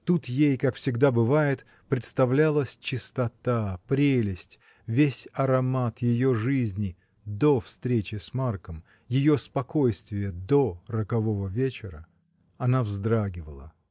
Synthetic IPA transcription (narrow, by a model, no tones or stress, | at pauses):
t̪ut̪jejkakfsʲɪɡd̪abɨvajɪt̪ | pɾʲɪt̪st̪ɐvlʲalˠəsʲt͡ɕɪst̪ɐt̪apɾʲelʲɪsʲtʲ | vʲesʲɐɾɐmat̪jɪjo̞ʐɨzʲnʲɪ | d̪ofst̪ɾʲet͡ɕɪsmarkəm | jɪjospɐko̞jst̪vʲɪjəd̪oɾəkɐvo̞vəvʲet͡ɕɪɾə | ɐnavzd̪ɾaɡʲɪvəlˠə̰